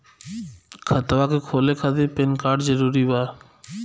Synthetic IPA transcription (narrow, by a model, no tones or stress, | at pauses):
kʰat̪awakekʰolekʰad̪epenkaɖd͡ʑɔɾuɾiba